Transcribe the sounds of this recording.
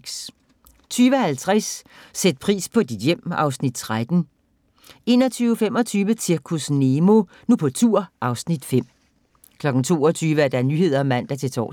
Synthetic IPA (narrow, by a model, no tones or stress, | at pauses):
s | t͡sʰyːʋəhælt͡sʰʁasːed̥̚pʰʁḭːspʰɒ̽d̥id̥jem̰ɑ̈ʊsnid̥̚t͡sʰʁad̥n̩ | e̝̰ːnɒ̽t͡sʰyːʊfemɒ̽t͡sʰyːʋət͡sʰiɐkʰusne̝mo̝ | nupʰɒ̽t͡sʰuɐ̰ʔɑ̈ʊsnid̥fem̰ | kʰlɒ̽ɡ̥n̩t͡sʰo̝̰ːɒt͡sʰyːʋəæɐd̥ɑnyːɦe̝ð̞̰ˠɐɒ̽mæn̰d̥ɑt͡sʰe̝t͡sʰɒ̰ː